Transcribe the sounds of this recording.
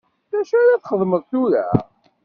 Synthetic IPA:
ðæʃaɾaθχəðˤməðˤθuɾæ̰

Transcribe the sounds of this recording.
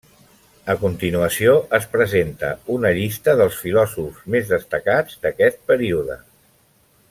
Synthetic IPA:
əkunt̪inuəsioʔəspɾəzent̪ə̰unəʎist̪əðəlˠsfilɔzuzmezðəst̪əkad͡zd̪əkɛt̪̚pəɾiuðə̰

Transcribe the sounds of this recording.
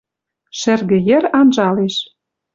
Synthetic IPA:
ʃɘ̆rɣɘ̆jɘ̆rɑnʒɑleʃ

